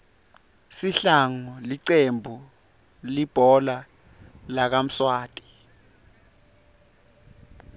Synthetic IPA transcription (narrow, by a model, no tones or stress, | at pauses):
siɬaŋɔliǀembʱu | lib̥ʱɔla | lak̬am̩swaːtʼi̥